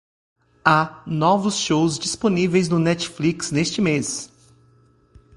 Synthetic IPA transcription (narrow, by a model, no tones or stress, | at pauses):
anɔvʊsʃowzd͡ʒisponivejznʊnɛt͡ʃfliksnest͡ʃɪmes